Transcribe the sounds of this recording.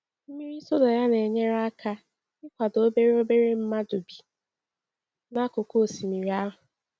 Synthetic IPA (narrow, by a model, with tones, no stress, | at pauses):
m̩˦mi˦ɾi˦so˦dɔ˨ja˦ne˨ɲe˦ɾa˦kʰa˦ | ɪ˦kʷa˨do˦be˦ɾe˦o˦be˦ɾe˦m̩˦ma˦dʊ˨bi˨ | na˦kʊ˨ko˦o˨si˨mi˨ɾi˨a˦ɦʊ˨